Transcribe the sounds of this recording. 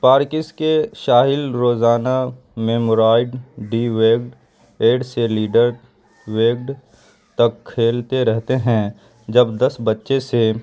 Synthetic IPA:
paːɾkɪskeʃaːɦɪlɾoːzaːna | meːmoːɾaːɪɖɖiʋeːɡɖ | eːɖseliːɖəɾ | weːɡ̚ɖ | t̪ɐkʰːeːlt̪eɾɛɦt̪eɦɛ̃ | d͡ʒɐbd̪ɐsbɐtːʃese

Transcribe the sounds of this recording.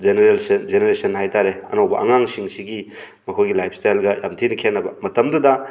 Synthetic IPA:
d͡ʒeneɾelsnd͡ʒeneɾesɐnːhajtaɾeɐ̰nowbɐ̰ʔɐ̰ŋaŋsiŋsiɡi | mɐkʰojɡilajp̚ʰstajlɡɐja̰mtʰinikʰenːɐbɐmɐtɐmdudɐ

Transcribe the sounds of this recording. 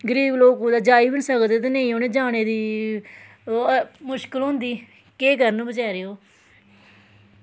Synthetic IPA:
ɡəɾiːbloːkuːd̪aːd͡ʒaːiːbənsəkd̪eːt̪̬enəĩːoːneːd͡ʒaːneːd̪iː | mʊʃkəlɦʊ̃nd̪iː | keːkɡəɾnũːbət͡ʃaːɾeːoː

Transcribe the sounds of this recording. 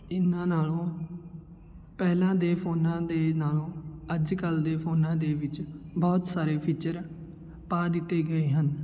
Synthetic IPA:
ɪnãːnaːlõː | pɛːlãːd̪eːpʰoːnãːd̪eːnaːlõːəd͡ʒkəld̪eːpʰoːnãːd̪eːʋɪt͡ʃbɔːt̪saːɾeːpʰiːt͡ʃəɾ | paːd̪ɪt̪ːeːɡəeːɦən

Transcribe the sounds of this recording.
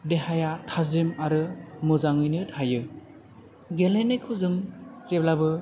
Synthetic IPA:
deɦajatʰazimaɾɯmɯzaŋɯjnɯtʰajɯ | ɡelenekʰuzɯŋt͡ʃeblabɯ

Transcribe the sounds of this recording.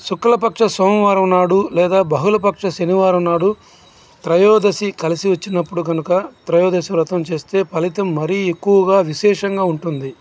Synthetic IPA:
sukɾɐlɐpɐkʂɐsoːmɐʋaːɾɐmnaːɽulɛːd̪aːbɐɦulɐp̬ɐkʂɐʃɐniʋaːɾɐmnaːɽu | t̪ɾɐjɔːd̪ɐsikɐlisiʋɐt͡ʃːinɐpːuɽuɡɐnukɐt̪ɾɐjɔːd̪ɐsiɾɐt̪ɐmt͡ʃe̞ːst̪e̞ːpɐlit̪ɐmːɐɾiekːuʋɐɡaːʋiʃɛːʂɐŋɡaːuɳʈund̪i

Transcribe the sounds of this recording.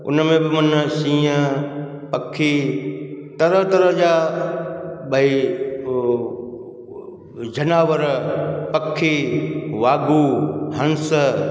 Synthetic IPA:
ʊ̰nəmẽbɪmɐnsĩːə | pɐkʰːiː | t̪ɐɾəɦt̪ɐɾəɦd͡ʑaː | ɓɐi | d͡ʑɐnaːʋəɾpɐkʰːiʋaːɡuɦɐ̃ns

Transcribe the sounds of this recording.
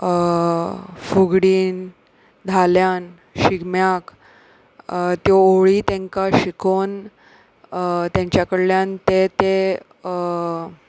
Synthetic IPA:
fuɡɽiːn | d̪ʱaljan | ɕiɡmjak | t̪joɭiːt̪ɛ̃ŋkaɕikʰon | t̪jãɲt͡ɕjakəɽljant̪et̪e

